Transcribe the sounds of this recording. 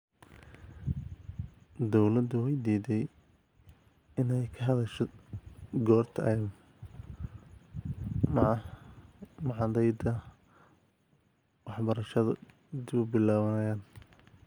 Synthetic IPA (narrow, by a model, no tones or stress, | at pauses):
d̪ɔwlɐd̪ʊwɛjd̪iːd̪ɛj | ɪnɛjkʰɐɦɐðɐʃɔ | ɡɔːrt̪ʰɐɛm | mɑʕɑd̪ɛjd̪ɐ | wɑħbɐɾɐʃɐðɐ̰ | d̪ɪβʊbɪlaːβɐnɐjaːn